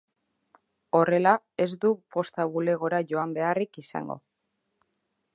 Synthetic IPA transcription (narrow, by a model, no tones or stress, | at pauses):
o̞re̞la | e̞zd̪upo̞st̪aβule̞ɣ̞o̞ɾaʝo̞ambe̞arikisa̰ŋɡo̞̰